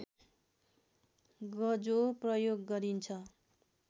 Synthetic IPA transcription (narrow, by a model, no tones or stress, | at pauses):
ɡʌd͡zoprʌjoɡːʌɾint͡sʰʌ